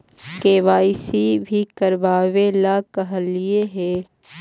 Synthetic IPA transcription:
keːʋaːɪsibʱikɐɾʋaːwelakɐɦlieɦɛː

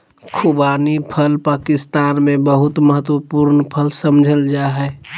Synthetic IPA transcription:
kʰubanipʰəlpaːkɪst̪aːnmẽbəɦut̪məɦət̪wəpuɾnpʰəlsəmd͡ʒʱəld͡ʒaɦɛ

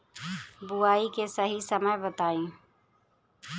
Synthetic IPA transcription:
buaːikesəɦisəməjbət̪aːĩ

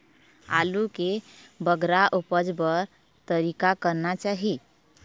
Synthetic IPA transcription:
a̰lukebəɡɾaʔupəd͡ʒbəɾ | t̪əɾikakəɾnat͡ʃaɦi

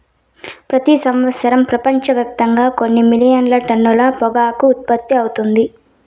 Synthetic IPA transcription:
pɾɐt̪isɐmʋɐt̪sɐɾɐmpɾɐpɐɲt͡ʃɐʋɛːp̚t̪ɐŋɡaːko̞nːimilijɐnlɐʈɐnːulɐpɔɡaːkuːt̪̚pɐt̪ːiɐwut̪und̪i

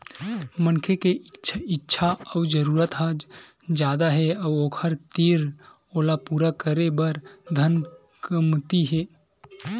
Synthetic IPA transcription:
mənkʰekeɪtːʃʰaɔwd͡ʒəɾuːɾət̪ɦaːd͡ʒ | d͡ʒjaːd̪aɦɛɐwoːkʰəɾt̪iːɾ | oːlapuːɾakəɾebəɾd̪ʱən | kəmt̪iɦɛː

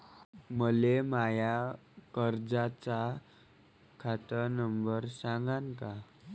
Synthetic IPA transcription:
məlemajakəɾd͡zat͡sa | kʰat̪ənəmbəɾsãŋɡaŋka

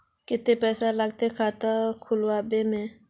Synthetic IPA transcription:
kɪt̪epɛːsaləɡt̪ekʰaːt̪akʰʊlwaːbemẽː

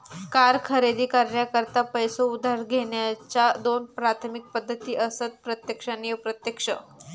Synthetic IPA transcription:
kaɾkʰəɾed̪iːkəɾɳjakəɾt̪apəjsoud̪ʱaɾɡʱeɳjat͡ɕad̪onpɾat̪ʰmik̚pəd̪ʱːət̪iːʔəsət͡s̪̚pɾət̪jəkʂanipɾət̪jəkʂə̰

